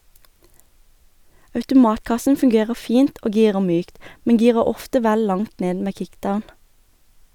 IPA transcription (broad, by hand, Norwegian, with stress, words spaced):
ɑʉtʊˈmɑːtˌkɑsn̩ fʉŋˈɡeːʁəʁ ˈfiːnt ˈoː ˈɡiːʁə ˈmyːkt ˈmɛŋ ˈɡiːʁə ˈɔftə ˈʋæl ˈlɑŋt ˈneːd ˈmeː ˈkɪkˌdaʊn